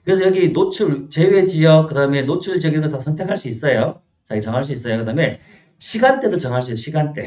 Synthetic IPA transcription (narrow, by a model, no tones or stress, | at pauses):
kɯɾesʰʌjʌɡinot͡ɕʰuɭt͡ɕe̞we̞d͡ʑiʌk̚k͈ɯdaɯme̞not͡ɕʰuɭd͡ʑiʌɡeɾotasʰʌntʰe̞kʰaɭs͈uis͈ʌjo | t͡ɕaɡt͡ɕʌŋɦaɭs̬͈uis͈ʌjokɯdame̞ | ɕʰiɡant͈e̞dot͡ɕʌŋɦaɭs͈uoɕʰiɡant͈e̞̰